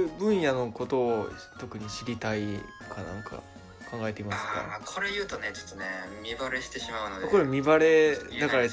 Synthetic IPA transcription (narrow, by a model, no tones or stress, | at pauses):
ɯbɯ̟̃ɰ̃jano̞ko̞t̪o̞ːt̪okɯ̟ɲ̟iɕiɾʲit̪ai | kʰanã̰ŋkʰa̰ | kʰãŋɡae̞t̪e̞imaasɨ̥ka̰ɾkʰo̞ɾe̞jɯ̟ːt̪onet͡ɕo̥t̪ːonemʲibaɾe̞ɕi̥t̪e̞ɕimaɯnokoɾemʲibaɾe̞akaɾa